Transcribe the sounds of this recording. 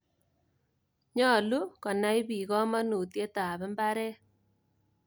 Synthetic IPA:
ɲɔ˦˨lu˦kɔ˨na˦i˦βi˨ɣɔ˦ma˦nu˨tje˦ta˨βɛ˦mba˦ɾɛ˦

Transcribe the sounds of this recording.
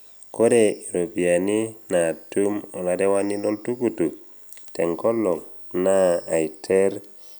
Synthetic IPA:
ko˦ɾe˨i˨ɾo˨bi˨a˨ni˦na˨tu˦mo˨la˨de˦wa˦ni˦lo˦ltu˦ku˦tu˨ | te˨ŋko˦lo˨ŋ | naː˦˨i˨tʰe˦ɾ

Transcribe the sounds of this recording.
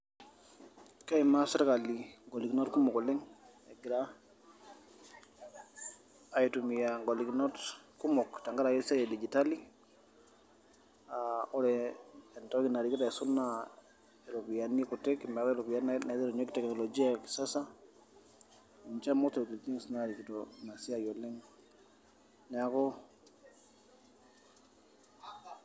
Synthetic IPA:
ka˦ima˦sɛ˦ɾka˨li˨ŋɡɔ˨li˨ki˨nɔ˦tku˦mɔ˨kɔ˨lɪ˦ŋ | ɛ˨ɡɪ˨ɾa | a˨jitu˨mija˨ŋɡɔ˨li˨kinɔ˦tku˦mɔ˨kta˨ŋɡa˦ɾa˨jɛ˦sa˦jɛ˨di˨d͡ʒi˨ta˦li˦ | aɔ˦ɾɛɛntɔ˦kina˨ɾiki˦ta˨ɛsuna | ɛ˨ɾɔkijani˦kɔtɛkmɛ˨ɾɔ˦ɛlɔ˨kwja˦nnana˨˦ðɛɾɔ˨ɲwktɛknɔ˨lɔd͡ʒi˦aki̥sa˦sa | iɲt͡ʃa˦mɔ˦stɔu˨ti˨lti˦ŋsnaɾikitɔnasi˦ajɔlɛ˦ŋ | nɛakɔ

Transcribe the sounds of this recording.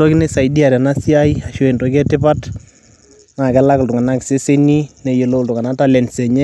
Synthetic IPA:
to˦kɪ˦ne˦sa˨ji˨di˦a˨ɾa˨na˦si˦a˦i˦a˨ʃo˦e˨ntɔ˨kɛ˦tɪ˦pa˦t | ŋa˨kɛ˦la˦kltʊ˨ŋa˨na˦kse˦se˦ni˦nɛ˨je˨lo˦˨ltʊ˨ŋa˨na˦ta˦lɛ˨nsɛ˨ɲɛ˦

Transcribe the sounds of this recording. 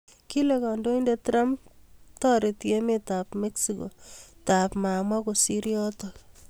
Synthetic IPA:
ki˦lekɔ˨ndo˦indetɾa˦mtɔ˦ɾi˨tje˦me˦ta˨pme˦ksiko̰ta˨pma˨mwa˦ko˨si˦ɾjɔ˦tɔ

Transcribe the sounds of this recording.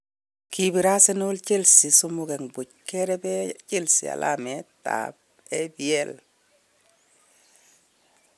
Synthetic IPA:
kʰi˨bi˨ɾa˦se˦n˦u˦lt͡ʃe˦lsi˨su˦mu˦ke˨ŋbu˨cke˦ɾɛ˦bɛ˦t͡ʃe˦lsḭ˨a̰˨lʔa̰˦me˨ta̰˨b̚ | ɛ˦biɛ˦l

